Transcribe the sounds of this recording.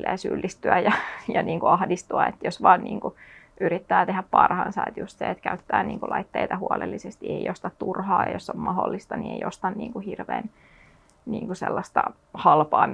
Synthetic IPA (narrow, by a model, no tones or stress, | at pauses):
eːsylːist̪yæjɑjɑniːŋkuɑhdist̪uɑet̪josʋɑːnniːŋku | ʔyɾit̪ːæːt̪eɦæppɑrhɑnsɑet̪just̪sḛet̪kæyt̪ːæːniːŋkulʔɑit̪ːeit̪ɑhuolelːisest̪iejost̪ɑt̪t̪urhɑːjɑjosːommɑholːist̪ɑniejost̪ɑnniːŋkuhirʋḛːn | niːŋkusḛlːɑst̪ɑ̰ | hɑlpɑː